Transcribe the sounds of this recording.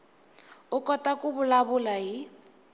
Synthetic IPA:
ʊkʼɔtʼakʊbʊlaβʊlai

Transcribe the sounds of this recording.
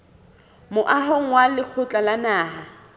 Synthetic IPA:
mʊʔaɦɔŋ̩walɪk͡xʰʊt͡ɬʼalanaːɦa

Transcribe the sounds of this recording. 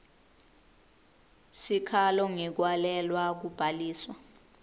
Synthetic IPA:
sikʰalɔŋɛk̬walɛlwak̬ub̥ʱaliːswa

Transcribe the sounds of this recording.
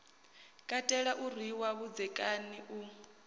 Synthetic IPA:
kʼatʼɛɺaʔur̤wiwaβud͡zɛkʼaniʔu

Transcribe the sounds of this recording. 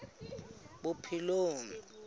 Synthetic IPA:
ɓʊpʰiloːŋ

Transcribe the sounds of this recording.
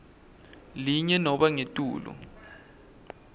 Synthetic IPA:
liɲɛnɔɓaŋetʼuːlɔ̰

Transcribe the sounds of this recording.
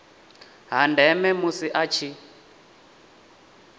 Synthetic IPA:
ɦandʱɛmɛmusiʔat͡ʃʰi

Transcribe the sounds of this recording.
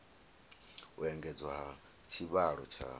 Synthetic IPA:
uɛŋɡɛd͡zwaɦa | t͡ʃʰiβaɺɔt͡ʃʰa̰

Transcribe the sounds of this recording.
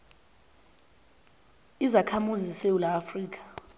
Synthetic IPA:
izakʰamuzisewulaːfriːk̬ʰʼḁ

